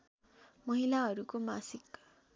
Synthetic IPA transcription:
mʌɦilaɦʌɾukomasik

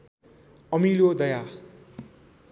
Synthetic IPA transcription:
ʌmilod̪ʌja

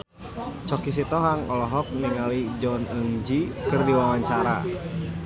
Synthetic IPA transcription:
t͡ʃɔkis̬it̪ɔɦaŋɔlɔɦɔk̚niŋalid͡ʒɔnəŋd͡ʒikɨrdiwawaɲt͡ʃaɾa̰

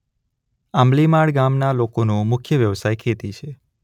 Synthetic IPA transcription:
amlimaɭɡamnalokonũmʊkʰjəʋjəʋsajkʰet̪it͡ʃʰe

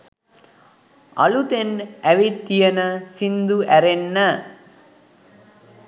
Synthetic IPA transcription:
ɐ̰lut̪enæʋit̪ːijənəsind̪uæɾenːə

